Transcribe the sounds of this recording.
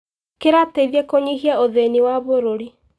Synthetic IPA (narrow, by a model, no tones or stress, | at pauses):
keɾateiðjɛkoɲiɦiaoðeniwaβoɾoɾi